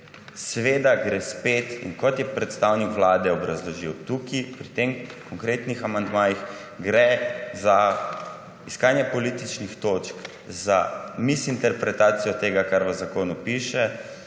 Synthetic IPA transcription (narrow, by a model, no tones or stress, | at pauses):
sɛʋeːd̪aɡɾɛspeːt̪ḭnkɔt̪jɛpɾɛt̪st̪awnikʋlaːd̪ɛɔbɾazlɔʒiwt̪ukipɾit̪emkɔŋkɾeːt̪nixamand̪maːjix | ɡɾɛza | iskaːnjɛpɔlit̪it͡ʃnixt̪oːt͡ʃk | za̰misint̪ɛɾpɾɛt̪aːt̪sijɔt̪eːɡakaɾʋəzakoːnupiʃɛ